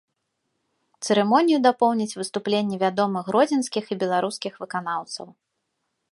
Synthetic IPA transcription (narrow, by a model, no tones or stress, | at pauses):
t̪sɨɾɨmɔnʲijud̪apɔwnʲit͡sʲvɨst̪uplʲenʲːɛvʲad̪ɔmɨxɾɔd͡zʲinskʲixibʲɛlˠaɾuskʲixvɨkan̪awt̪sɐ̰w